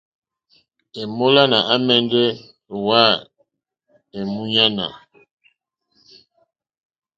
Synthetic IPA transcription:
e˨mo˦la˦na˨a˦mɛ˦ndɛ˦˨ | wa˦˨ | e˨mu˦ɲa˦na̰˨

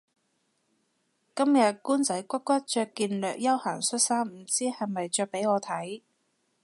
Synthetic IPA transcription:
kɐ˥mjɐ˨t̚kuː˥nt͡sɐ˨˥jkʷɐ˥t̚kʷɐ˥t̚t͡ʃœː˧kːiː˧nlœː˨k̚jɐ˥whaː˨˩ŋsɵ˥t̚saː˥mm̩˨˩t͡siː˥hɐ˨jmɐ˨jt͡ʃœː˧k̚pe˨˥jɔː˨˧t̪ʰɐ˨˥j

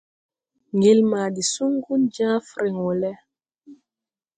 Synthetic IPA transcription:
ŋɡi˨lma˨di˨su˦ŋɡu˦nd͡ʒãː˦fɾi˨ŋɔ˨lɛ˦

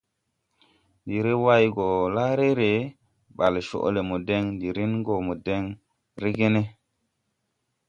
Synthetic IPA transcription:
ndi˨ɾe˦wa˦jɡo˨la˦ɾe˦ɾe˨ | ɓa˨lʃo̰˨ʔle˨mu˨de˦ŋndi˨ɾi˦nɡo˨mu˨de˦ŋ | ɾe˦ɡe˦ne˦

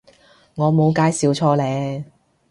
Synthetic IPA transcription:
ŋɔː˨˧mo˨˧wkaː˨˧jsiː˨˧wt͡ʃʰɔː˧lɛː˨˧

